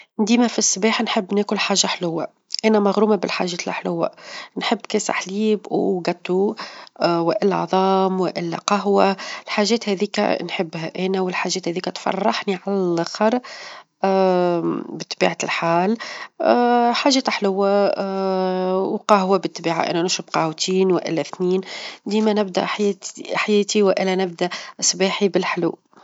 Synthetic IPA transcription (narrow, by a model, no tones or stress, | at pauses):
nd̪iːmæfisːbɛːħnħəbːnɛːkʊlħaːʒːaħlʊwːa | ʔænæmaɣɾuːmabɪlħaʒɛːt̪lʔa̰ħlʊwːæ̰nħɪbːkɛːsa̰ħliːbɡæt̪ːu | wɪʔɪl̰ːʕðˤɑːmwɪʔɪlːæ̰qɑɦwalħaːʒɛːt̪hɛðiːkæ̰nħɪbːɦæ̰ʔænæwɪlħaːʒːɛːt̪hɛːðiːkæt̪fɑ̰rˤːɑħniʕalæælɑxɑɾˤ | bɪt̪ˤːbḭːʕalħaːl | ħaːʒɛːt̪ħlʊwːa | wqɑhwabɪt̪ˤːbiːʕa̰ʔɪ̰nænʊʃʊbqɑhwt̪ʰiːnwɪʔɪ̰lːæθniːnd̪iːmænɪb̚d̪æ̰ | ħajɛːt̪iwʔɪlːænɪb̚d̪æʔsˤbiːħibɪlħlṵː